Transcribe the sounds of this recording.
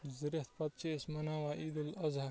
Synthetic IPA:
zɪɾiht̪̚pɐt̪̚t͡ʃeːsmɐnaːʋaːʔiːd̪ulɐzɐ

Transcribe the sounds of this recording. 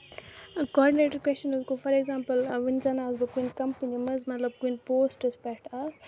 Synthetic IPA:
kɔːɖineːʈəɾkwest͡ʃɐnuzkofʰɐɾeɡzãːmpɐlʋinzanaːzbɐkunkɐmpənimɐzmɐt̪lɐb̚kinpoːsʈɪspɛkʈaz

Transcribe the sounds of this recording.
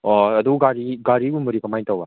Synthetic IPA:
ɔɐd̪uɡaɾiɡaɾibumɯɾikʰamajtawa

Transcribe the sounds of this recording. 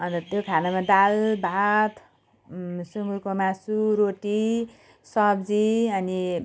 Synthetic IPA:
ʌnt̪ʌt̪jokʰanamad̪albʱat̪ʰ | suŋɡuɾkomasuɾoʈi | sʌbd͡ziʌni

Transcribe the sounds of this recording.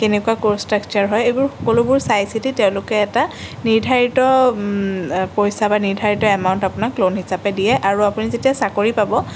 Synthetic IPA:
kenɛkuwakostɹakt͡ʃaɹɦɔjejbʊɹxɔ̥kɔlʊbʊɹsajsititɛʊ̃lʊkɛːtaniɹdʱaɹitɔ | pɔjsabaniɹdʱaɹitɔɛmaʊ̃ntapʊnaklonɦisapɛdijɛʔaɹuapunizetijasakoɹipabɔ

